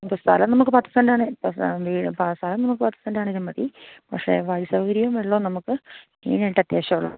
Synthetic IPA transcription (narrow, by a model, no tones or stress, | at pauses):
pːost̪ʰɐ̰lɐmnɐmukːɨpaːt̪ːi̥t͡ɕ̪ːɐndaːɳɨpoʋiːpst̪ʰɐlɐmnɐmukːɨpaːt̪ːit͡ɕːɐndaːɳiðɨmɐðipɐkʂe̞̰ʋɐjsɐʋɐɡɐɾijɐumeɭːoːnɐmukːɨ | ḭːnejiʈːɨɐt̪jeːɕɐmuɭːɐ̰